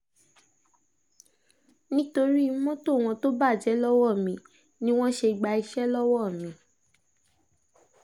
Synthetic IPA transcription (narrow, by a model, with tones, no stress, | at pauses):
nĩ˦to˧ɾi˦mɔ̃˦to˦˨w̃ɔ̃˧to˦ba˦˨d͡ʒɛ˨˦lɔ˦wɔ˦˨mĩ˨˦ | nĩ˦w̃ɔ̃˦ʃe˧˨ɡ͡ba˧i˧ʃɛ˦lɔ˦wɔ˦˨mĩ˨˦